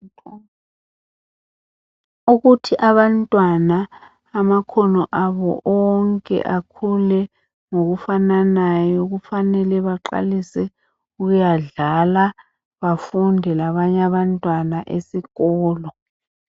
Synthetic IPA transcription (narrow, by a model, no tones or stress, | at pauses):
uɣutʰiʔaβantʼwanaː | makʰɔnɔʔaβɔ̰ʔɔŋkʼɛ̰ʔakʰulɛ | ŋoɣufananajɔɣufanɛlɛβaǃa̰lisɛ | uɣujaɮala | βafundʱɛlaβaɲaβantʼwanaʔesiɣɔːlɔ